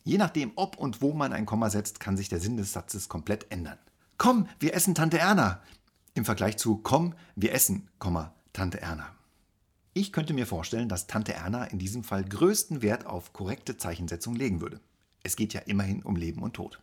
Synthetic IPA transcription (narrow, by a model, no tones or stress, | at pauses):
jeːnaχd̥eːmʔɔpʰʊntv̥oːmanʔa̰ɪnkʰɔmɐzɛt͡stkʰanzɪçd̥eːɐzɪndɛsz̥at͡səskʰɔmpl̥ɛtʔɛndɐn | kʰɔmviːɐʔɛsn̩tʰantəʔɛɐna | ʔɪmfɛɐɡlaɪçt͡sukʰɔmviːɐʔɛsn̩kʰɔmɐ | tʰantəʔɛ̰ɐna | ʔɪçkʰœntəmiːɐfoːɐʃtɛləndastʰantəʔɛ̰ɐnaʔɪndiːzəmfalɡʁøːstn̩veːɐtʰa̰ʊfkʰɔʁɛk̚tət͡saɪçn̩zɛt͡sʊŋleːɡŋ̩vʏɐdə | ʔɛsɡ̥eːtja̰ːʔɪmɐhɪnʔʊ̰mleːbm̩ʊ̰ntʰːo̰ːt